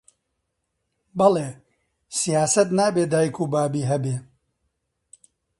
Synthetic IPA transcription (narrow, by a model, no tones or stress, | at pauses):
bɐleː | sijaːsɐt̪naːbeːd̪aːjikʰuːbaːbiːɦɐbeː